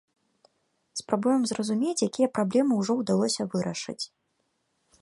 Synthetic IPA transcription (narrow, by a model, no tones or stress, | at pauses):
spɾabujɛmzrɐzumʲet͡sʲjakʲijɐpɾablʲɛmɨwʐɔwd̪alˠɔsʲɐvɨɾɐʂɨ̰t͡sʲ